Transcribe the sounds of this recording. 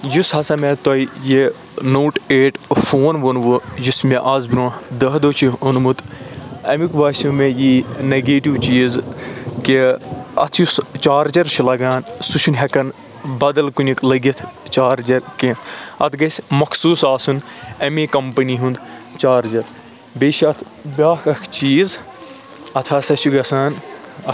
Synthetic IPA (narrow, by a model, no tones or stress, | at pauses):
jushɐsɐmet̪oije | noːʈeːʈfʰoːnʋonʋujismeʔaːzbiɾoːd̪ɐɦd̪oːt͡ʃʰiunmut̪ɐmikbaːsumẽjineɡeːʈiʋt͡ʃiːzkiɐ̰t̪ʰjust͡ʃaːɾd͡ʒɐɾt͡ʃʰilɐɡaːnsuʃʰunɦɛkɐn | bɐd̪ɐlkunʲiklɐɡit̪ʰt͡ʃaːɾd͡ʒɐɾkẽɐt̪ʰɡɐsʲmɐkʰsuːsaːsunɐmeːkɐmpɐniɦũnd̪t͡ʃaːɾd͡ʒɐɾ | beːʃɐt̪ʰ | bʲaːkɐkʰt͡ʃiːz | ɐt̪ʰaːsɐt͡ʃʰuɡɐsaːnɐ